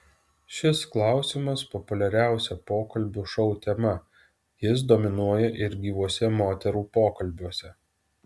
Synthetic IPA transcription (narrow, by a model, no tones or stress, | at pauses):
ʃʲɪsklˠɑˑʊsʲɪmɐspɔpʊlʲɛɾʲæˑʊsʲɛpoːkɐlʲbʲuʃɒʊt̪ʲɛmɐ | jɪs̬d̪omʲɪnuɔjɛʔɪɾɡʲiːʋuɔsʲɛmoːt̪ʲɛɾuːpoːkɐlʲbʲuɔsʲɛ